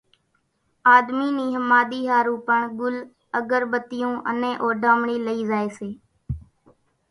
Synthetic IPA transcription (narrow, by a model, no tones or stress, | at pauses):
aːd̪miːniːɦəmaːɗ̪iːɦaːɾũːpəɳɡʊl | əɡəɾbət̪ɪjõːʔə̰nẽːʔoːɖʱaːmɳiːləiːzaːeːseː